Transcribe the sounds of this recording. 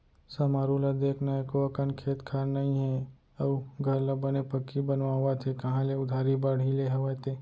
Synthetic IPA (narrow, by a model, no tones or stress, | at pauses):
sɐmaːɾulad̪eːkʰnaekoɐkənkʰeːt̪kʰaːɾnɐĩɦɛ | ɐʋɡʱɐɾlabɐnepɐkːibɐnʋaʋat̪ʰekɐɦãleʊd̪ʱaːɾibaɽ̤ileɦeʋat̪eː